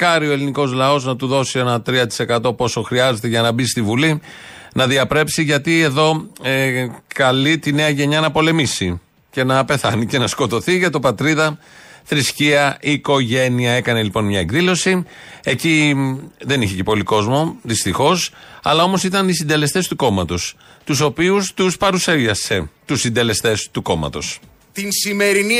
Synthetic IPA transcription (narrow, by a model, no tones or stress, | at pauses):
kɐɾio̞eliniko̞zlɐo̞znɐt̪uðo̞sie̞nɐt̪ɾiɐt̪i̥se̞kɐt̪o̞po̞so̞xɾiɐze̞t̪e̞ʝɐnɐbist̪ivuli | nɐðiɐpɾe̞psiʝɐt̪ie̞ðo̞ekɐlit̪ine̞ɐʝe̞ɲɐnɐpo̞le̞misi | ce̞nɐpe̞θɐnice̞nɐsko̞t̪o̞θiʝɐt̪o̞pɐt̪ɾiðɐ | θɾisciɐʔiːko̞ʝe̞niɐe̞kɐne̞lipo̞nmɲɐeɡðilo̞sie̞ci | ðe̞niçecepoliko̞zmo̞ðist̪ixo̞sɐ̰lɐomo̞sit̪ɐnisind̪e̞le̞st̪e̞st̪uko̞mɐt̪ost̪uso̞piust̪uspɐɾuseʝɐse̞t̪usind̪e̞le̞st̪e̞st̪uko̞mɐ̰t̪o̞s | t̪insime̞ɾini